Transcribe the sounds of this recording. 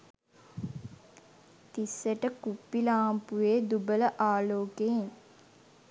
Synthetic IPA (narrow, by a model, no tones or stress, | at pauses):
t̪isːəʈəkupːilaːmpuʋeːd̪ubələʔaːloːkeeŋ